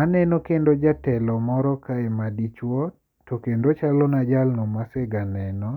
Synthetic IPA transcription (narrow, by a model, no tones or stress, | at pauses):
anɛnokendod͡ʒatɛlɔmɔɾɔkaemadit͡ʃwɔ | tokendot͡ʃalɔnad͡ʒalnɔmaseɡanɛnɔ